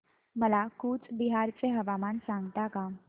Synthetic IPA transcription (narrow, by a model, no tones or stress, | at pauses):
məlakuːt͡sbiɦaːɾt͡seɦɐʋamaːnsãŋɡt̪aka